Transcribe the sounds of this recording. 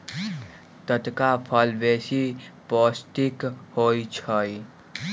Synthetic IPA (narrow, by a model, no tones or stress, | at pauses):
t̪ət̪kapʰəlʋeːsipɔːsʈikhoit͡ʃʰəi